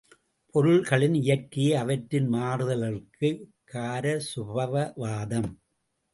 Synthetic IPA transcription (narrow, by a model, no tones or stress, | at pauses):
pʰɔɾɯɭɣɐɭɪnɪjɐɾkɪjeːɐʋɐʈɾɪnmaːɾɯðɐlɐrkɯkʰːaːɾɐsʊbɐʋɐʋaːðɐm